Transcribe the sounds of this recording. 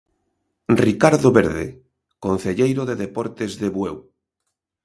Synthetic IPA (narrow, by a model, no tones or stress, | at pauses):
rikaɾðoβeɾðḛ | kon̟θeʎejɾoðeðepɔɾt̪ezðeβwew